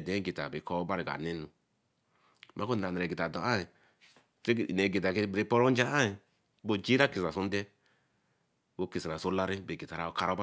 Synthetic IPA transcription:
dɛ˨˦ɡi˨ta̰˨be˨kɔ˦ba˦ɾi˨ɡa̰˨ne˦nu˨ | ma˦ko˦n˨ɾa˨n˨ɾɛ˨ɡi˨ta˨dɔ˨a˦i˨ | tɾe˦˨ne˨ɡi˨ta˨ki˦bɾi˦pɔ˦ɾɔ˦d͡ʒa˦a˦i˨ | bo˦˨d͡ʒi˦ɾa˦ki˨sa˨su˦n˦dɛ˦ | bo˦ki˨si˨ɾa˨so˦la˦ɾi˦be˨ɡi˨ta˨ɾa˦ka˦ɾɔ˦ba˦

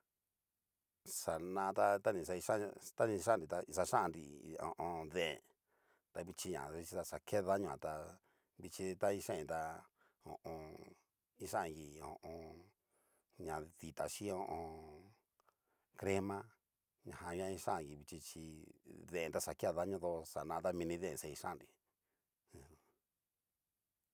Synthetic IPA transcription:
sa˨nã˧t̪a˦t̪a˦nĩ˧˨sa˧i˧ʃã˦˧t̪a˦nĩ˧ʃã˦˨ɾi˧t̪a˧sa˧ʃã˦˧nɾḭ˨õ̰˨ʔõ˧ðẽ˦ʔḛ̃˨ | t̪a˧βi˧t͡ʃi˧ɲã̰˨i˧t͡ʃi˧a˧sa˨ke˦˧ða˦ɲõ˧ã˨t̪a˧ | βi˧t͡ʃi˧t̪a˦i˧ʃã˦ĩ˧t̪a˧ | õ̰˨ʔõ˧ | i˦ʃã˦ã˧ɡi˧˨õ̰˨ʔõ˧ | ɲã˨ði˨t̪a˨ʃi˦õ˧ʔõ˧ | kɾe˦mã˦ | ɲã̰˨hã˧ɲ˦ã˧ĩ˧ʂã˦˨ɣi˧˨βi˧t͡ʃi˧t͡ʃi˧ðẽ˧˨ẽ˧t̪a˧sa˨ke˦a˧ða˦ɲõ˧ðo˧sa˨nãː˧t̪a˦mĩ˧nĩ˧ðẽ˦˨˧se˧i˧ʃã˦˨nɾi˨

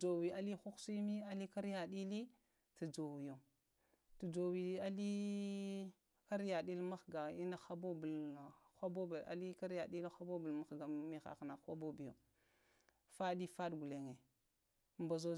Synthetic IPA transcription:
d͡ʒo˨wi˨a˦li˦xu˦ksi˦mi˦a˦li˦ka˦ɾja˨ɗi˦li˦ | tu˨d͡ʒo˨wi˨jo˨ | tu˨d͡ʒo˨wi˨˦a˦li˦ | ka˦ɾja˨ɗi˦lma˦xɡa˨i˦na˦xa˦bo˦bu˨lxʷa˦bo˦bi˨a̰˨li˦ka˦ɾja˨ɗi˦lxa˦bo˦bu˨lma˦xɡa˨mi˨xa̰˨xna˨xʷa˦bo˦bi˨jo˨ | fa˦di˦fa˦dɡu˨le˨ŋe˨ | mba˨zo˦

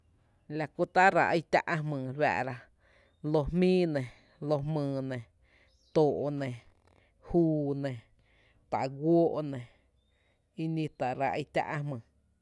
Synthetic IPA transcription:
la˧ku˧t̪a˦ɾa˨ʔə˧˦t̪ʲa̰˦ʔa˧hmɨ̃ː˨lwa̰˧˨ʔɾa˧ | lo˧hmĩː˦nẽ˨ | lo˧ɦmɨ̃ː˧˨nẽ˨ | t̪oː˨ʔo˨nẽ˨ | huː˦nẽ˨ | t̪a̰˨ʔɡʷoː˦ʔnẽ˨ | i˧nĩ˧t̪a˨ɾa˧ʔə˧˦t̪ʲa̰˦ʔa˧ɦmɨ̃ː˨

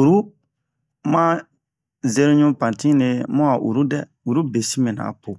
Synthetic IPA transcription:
u˨ɾu˦ | mã˦ | ze˦ɾo˦ɲũ˦pã˨tĩ˦ne˧mɔ̃˦a˨ʔṵ˨ɾu˦dɛ˦ | u˨ɾu˦be˨si˦mẽ˨nã̰˨po˨

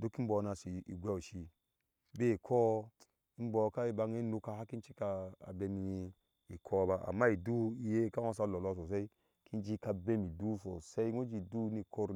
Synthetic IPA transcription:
du˦ki˦m̩˦bɔ˨˧˦na˧si˨i˨ɡʷe˦u˨ʃi˧ | be˦˨kʰɔ˦ | i˦m˦bɔ˧ka˦i˨ba˧ŋe˦nu˧ka˧˨ha˦ki˦n˦t͡ʃi˦ka̰ː˧˨be˧mi˧i˧ | i˨kʰɔ˦ba˨ʔa̰˨mːa˦i˨du˦i˨je˦ka˦wa˦s̬a˧˨lɔ˨lɔ˧˨s̬o˨s̬e˦i˦ | ki˦d͡ʒi˦ka˧be˦mi˨du˦so˨se˦i˦ŋo˦d͡ʒi˦˨du˦ni˦˧kʰo˦ɾ

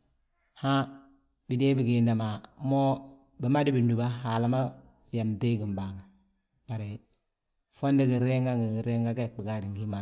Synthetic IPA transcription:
ha˦ | bi˨de˦bi˨ɡe˨nda˨ma˨˦mo˦ | bi˨ma˦di˦bi˨ndu˨ba˦ɦa˨la˦ma˦ | ja˨mte˦ɡi˨mba˨ŋ˨ | b̥a˨ɾe˨ | fo˦ndi˦ɡi˨ɾe˦ŋɡa˦ŋɡi˨ɡi˨ɾe˦ŋɡa˦ɡa˦˨k̚bi˨ɡa˦di˨ŋɡi˦ma˨

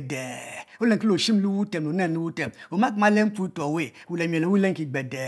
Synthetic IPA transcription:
de˨o˦le˨ŋki˦lo˨ʃi˦m˦lu˦wu˦te˨m˨lo˨ne˦˨˦u˦wu˦te˨mo˨ma˦kma˦le˦m̩˦pu˦i˦to˨we˦˨wu˨le˨m˨e˨o˨wu˦le˦ŋ˦ki˨ɡ͡be˨de˨

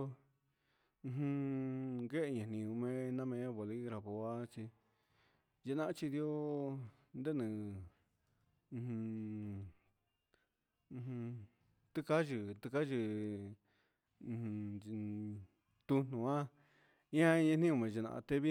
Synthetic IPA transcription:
ɦũ˧ŋɡe˦ʔɲã˨nĩ˧ũ˧mẽ˧nã˦mẽ˧˦βo˨li˦βɾa˨βo˧˨a˦t͡ʃi˧ | ʒe˧nã˧˦t͡ʃi˧d̪jo˦ | nd̪e˦nɨ̃˨˧ | hũ˧ | h | t̪ɨ˦ka˦ʒɨ˧˨t̪ɨ˧ka˦ʒɨ˧ | t̪u˧n̥ũ˨ã˦ | ĩ˦ã˦˧ɲã˧nĩ˦õ˧mẽ˨˧ʒe˧˨nã̰˧ʔt̪e˧βi˦

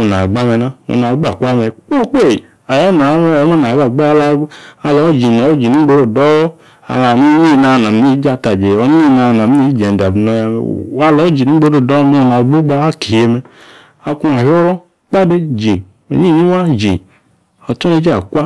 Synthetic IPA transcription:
o˨na˨ɡ͡ba˦mɛ˨na˦o̰˨na˨˦ɡ͡ba˨kʷa˦mɛ˨k͡po˦k͡pe˦˨ | a˨jɔ˦na˨˦ma˦na˨˦ba˨ɡ͡ba˦la˦a˨lɔ˨˦d͡ʒi˨nɔ˨˦o˦d͡ʒi˨ni˦ɡ͡bo˦ɾo˨dɔ˦ | a̰˨la˨ni˦ɲi˦˨na˨na˨m˦i˦d͡ʒa˦ta˨d͡ʒe˨o˨ni˦i˦˨na˧˨na˨m˦i˦d͡ʒe˨a˨bno˦ja˨mɛ̰˨wa˦lɔ˨˦d͡ʒi˨ni˨˦ɡ͡bo˦ɾo˨dɔ˦m˦˨na˨vu˦ɡ͡ba˦a˦ki˨je˦mɛ˨ | a˨ku˦a˨ɦɔ˦ɾɔ˦ | k͡pa˦de˦d͡ʒi˨ | o̰˨ɲi˦˨ɲi˦wa˦d͡ʒi˨ | o˨tɔ˦ne˦d͡ʒi˦a˨kʷa˦

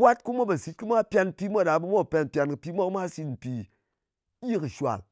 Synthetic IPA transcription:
wa˦t̚ku˦mʷo˦ba˨si˦t̚kɨ˦mʷa˦pʲa˧n̩˨pʲi˦mʷo˦˨ɗa˨bu˦mʷo˦˨pʲa˧n˨pʲa˧nkɨ˨pʲi˦mʷa˦kɨ˦ma˦si˧tm̩˨pi˧˦ | ji˦kɨ˨ʃʷa̰˨l

